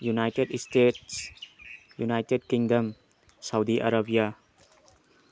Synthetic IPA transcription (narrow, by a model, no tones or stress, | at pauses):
junajtedstets | junajted̚kiŋdɐm | sawdiʔa̰ɾabija